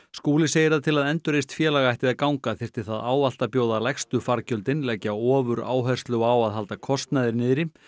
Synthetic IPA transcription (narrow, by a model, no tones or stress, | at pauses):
skuːlɪseːjɪɾ̥θaðt̪ʰɪlaðɛnt̪ʏɾejst̪fjɛːlaɣajht̪ɪðakawŋkaθɪr̥t̪ɪ̥θaðaːwval̥t̪apjoːwðalajxst̪ʏfaɾcœlt̪ɪnlɛcaɔːvʏɾa̰ːwɦɛ̥st̪lʏɔaːwaðɦalt̪akʰɔst̪naðɪɾnɪːðɾɪ